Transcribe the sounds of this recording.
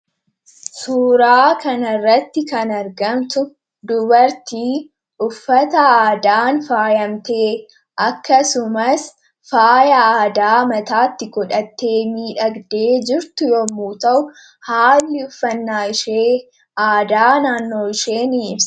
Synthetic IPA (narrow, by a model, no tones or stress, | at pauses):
suːɾaːkɐnɐrːɐt̪ːɪkɐnɐɾɡɐmt̪ʊ | d̪ʊbɐɾt̪iː | ʊfːɐt̪ɐaːd̪aːnfaːjɐmt̪eː | ʔɐkːɐsʊmɐs | faːjɐaːd̪aːmɐt̪aːt̪ːɪkɔᶑɐt̪ːe̞ːmiːᶑɐɡd̪e̞ːd͡ʒɪɾt̪ʊjoːmuːt̪ɐʔʊ | haːlːɪʊfːɐnːaːɪʃeː | ʔaːd̪aːnaːnːo̞ːɪʃe̞ːniɪms